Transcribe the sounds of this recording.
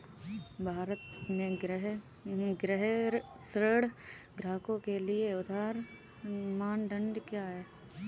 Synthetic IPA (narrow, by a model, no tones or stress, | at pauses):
bʱaːɾət̪mẽɡɾɦ | ɡɾɛɦɾ | sɾəɽɡɾaːkõkelɪeʊd̪ʱaːɾ | maːnɖə̃ɳɖkjaːɦɛː